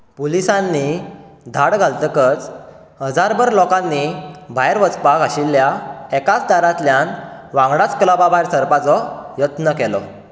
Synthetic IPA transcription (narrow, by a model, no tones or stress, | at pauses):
polisãnːid̪ʱaɽɡʱalt̪əkət͡s | həd͡zaɾbəɾlɔkãnːibʱajɾʋət͡spakaɕilːjaɛkat͡sd̪aɾat̪ljanʋãŋɡɽat͡sklababʱajɾsəɾpat͡sɔjət̪nəkɛlɔ